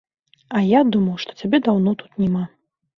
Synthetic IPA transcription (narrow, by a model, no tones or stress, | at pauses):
ɐjad̪umɐwʂt̪ɔ̥t͡sʲabʲɛd̪awnɔt̪u̥t̪nʲɛma